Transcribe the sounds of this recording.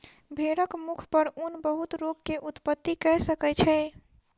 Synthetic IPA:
bʱeɽəkmukʰpəɾunbəɦut̪ɾopkeʔut̪pət̪ːikɛɦsəkɛt͡ʃʰɛ

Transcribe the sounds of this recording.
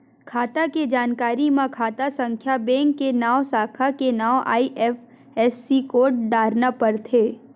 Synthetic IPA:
kʰaːt̪aked͡ʒaːnkaːɾimãkʰaːt̪asə̃ŋkʰjabẽːŋkːenaːʋsaːkʰakenaːwʔa̰ːiʔɛf | ɛːsːikoːʈ̚ɖaːɾnapəɾt̪ʰeː

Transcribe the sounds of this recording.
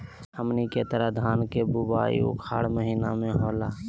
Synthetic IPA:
həmniket̪əɾad̪ʱaːnkebubaːḭṵkʰa̰ːɽməɦiːnamẽɦoːlaː

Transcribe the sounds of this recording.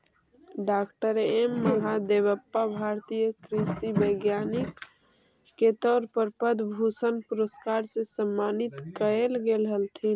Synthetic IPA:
ɖakʈəɾemːəɦad̪eβəpːabʱaɾt̪ijəkɾisibəɡjanikː | et̪ɔːɾpəɾpəd̪bʱusənpuɾəskaɾsẽsəmːanit̪kəelɡelɦəlt̪ʰin

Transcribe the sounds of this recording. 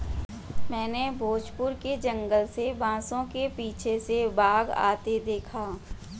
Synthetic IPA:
mɛ̃ːnebʱoːd͡ʒpʊɾked͡ʒə̃ŋɡəlsebãːsõkepiːt͡ʃʰesebaːɡa̰ːt̪ed̪eːkʰaː

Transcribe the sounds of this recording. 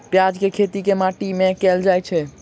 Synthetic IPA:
pjad͡ʒkekʰet̪ikemaʈimekɛld͡ʒajt͡ʃʰɛ

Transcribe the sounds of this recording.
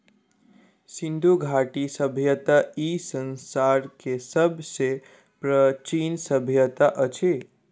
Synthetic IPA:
sind̪ʱuɡʱaʈisəbʱjət̪aisənsaɾkesəbʱse | pɾət͡ʃinsəbʱjət̪aʔət͡ʃʰe

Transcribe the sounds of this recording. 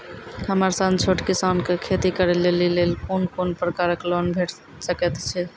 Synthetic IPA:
həməɾsãnt͡ʃʰoʈkisankekʰet̪ikəɾɛlelilelkonkonpɾəkaɾəklonbʱeʈ | səkɛt̪t͡ʃʰɛ

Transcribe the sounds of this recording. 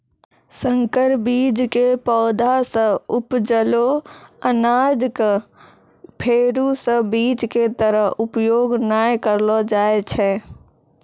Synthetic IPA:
səŋkəɾbiːd͡ʒkepɔːd̪ʱasə̃ʊpd͡ʒəloənaːd͡ʒk | pʰeːɾusəbiːd͡ʒket̪əɾəɦʊpjoːɡnaːjkəɾlɔd͡ʒaːet͡ʃʰɛ

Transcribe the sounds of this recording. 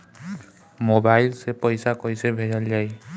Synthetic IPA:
mobajlsɛpɔjsakojsɛbʱɛɹald͡ʒaj

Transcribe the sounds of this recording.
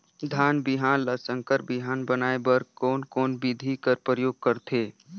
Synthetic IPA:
d̪ʱaːnbɪɦaːnlasə̃ŋkəɾbɪɦaːnbənaːebəɾkɔːnkɔːnbɪd̪ʱikəɾpɾəjoːɡ̚kəɾt̪ʰeː

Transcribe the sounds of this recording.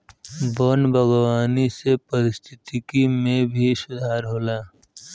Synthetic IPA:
bɔːnbʱəɡwaːnisepɐɾɪst̪ʰɪt̪ikimẽbʱisʊd̪ʱaːɾɦoːlaː

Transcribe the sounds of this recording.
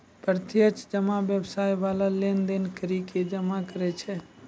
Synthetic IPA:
pəɾt̪ʰjət͡ʃd͡ʒəmabjəbsaːjʋaːlalend̪enkəɾiked͡ʒəmakəɾɛt͡ʃʰɛ

